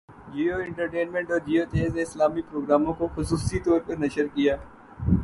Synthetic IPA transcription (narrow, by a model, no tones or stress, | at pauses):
d͡ʒiːoːɪ̃ɳʈəɾʈeːnmẽɳʈɔːɾd͡ʒiːoːt̪eːzneɪslaːmipɾoːɡɾaːmõkoxʊsuːsit̪ɔːɾpɐɾnɐʃəɾkijaː